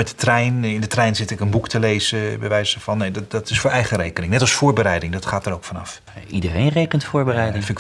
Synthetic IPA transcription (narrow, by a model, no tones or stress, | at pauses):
mɛtdətrɛjnɪndətrɛjnzɪtɪkənbuktəlejz̥əbəʋɛjsəɹv̥ɑnːejddɑtɪsfʊːɹɛjχərejkənɪŋnɛtɑlˠsfʊːɹbəɾɛjdɪŋdɑtχaːtəɾoʊwkfɑnɑ̰f | idərejnrejkəntfʊːɹbərɛjdɪfɪ